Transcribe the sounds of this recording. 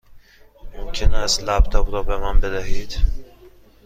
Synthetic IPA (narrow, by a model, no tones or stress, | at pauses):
momcʰenæst̪læp̚t̪ʰɒbɾɔːbemænbed̪æɦiːd̪̥